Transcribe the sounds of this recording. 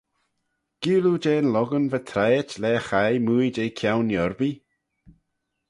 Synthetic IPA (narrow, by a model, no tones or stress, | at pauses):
ɡ̥iːwlud͡ʒeːnlɔɡənvət̪ʰɾajtlɛːxajmujd͡ʒejkʰjawnjɔɹbi